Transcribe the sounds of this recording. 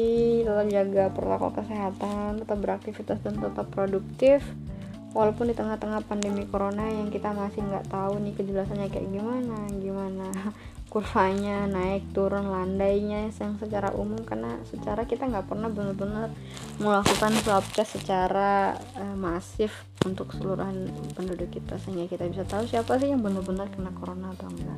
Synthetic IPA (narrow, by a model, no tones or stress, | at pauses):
it̪ət̪ap̚d͡ʒaɡapərlakɔ̰kəseɦat̪ant̪ət̪ap̚bəɾak̚t̪ifit̪asdant̪ət̪apːɾoduk̚t̪ɪf | walawpʊndit̪əŋaht̪əŋahpandemikoɾonajaŋkit̪amasɪhŋɡa̰ʔt̪aunɪkəd͡ʒəlasanɲakajaʔɡimanaɡimana | kurfaɲanaɪk̚t̪uɾʊnlandajɲasəjaŋsət͡ʃaɾa̰ʔṵmʊmkarnasət͡ʃaɾakit̪aŋɡaʔpərnahbənərbənər | məlakukansəap̚t͡ʃasət͡ʃaɾaəmasɪf | unt̪ʊksəluɾuɦanpəndudʊkːit̪asəɦiŋɡakit̪abisat̪ausiapas̬ɪhjaŋbənarbənarkarnakoɾonat̪oŋɡa̰ʔ